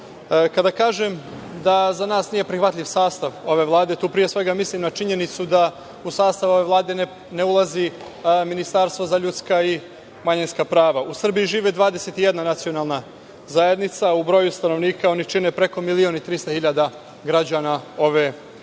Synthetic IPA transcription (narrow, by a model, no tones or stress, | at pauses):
kad̪akaːʒemd̪azanaːsnije̞pɾixʋat̪ʎʲiʋsaːst̪aʋo̞ʋe̞ʋlˠaːd̪e̞t̪uːpɾije̞sʋe̞ɡamislimnat͡ʃiɲe̞nit̪sud̪a | usaːst̪aʋo̞ʋe̞vlˠaːd̪e̞ | ne̞ulˠazi | minist̪aɾst̪vozaʎut̪skai | maɲinskapɾaːʋausr̩bijiʒiːʋed̪ʋaːd̪eset̪ijed̪nanat̪sio̞naːlˠna | zaed̪nit̪saubɾo̞ːjust̪ano̞ʋniːkao̞nit͡ʃine̞pɾe̞ko̞milio̞nit̪ɾist̪ahiʎad̪a | ɡɾad͡ʑaːnao̞ʋe